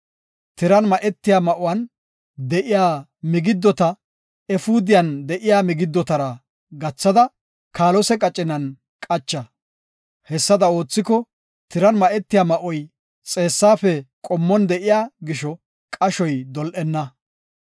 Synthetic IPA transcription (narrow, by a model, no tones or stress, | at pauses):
t̪ɪɾɐnmɐʔɛt̪ːɪjaːmɐʔʊwɐn | d̪ɛʔɪjaːmɪɡɪd̪ːɔt̪ɐ | ɛfuːd̪ɪjɐnd̪ɛʔɪjaːmɪɡɪd̪ːɔt̪ɐɾɐ | ɡɐt͡sːɐd̪ɐ | kʰaːlɔsɛkʼɐt͡ʃʼːɪnɐn | kʼɐt͡ʃːɐ | hɛsːɐd̪ɐo̞ːt͡sːɪkɔ | t̪ɪɾɐnmɐʔɛt̪ːɪjaːmɐʔɔj | t͡sʼe̞ːsːaːfɛkʼɔmːɔnd̪ɛʔɪjaːɡɪʃɔ | kʼɐʃɔjd̪ɔlʔɛnːɐ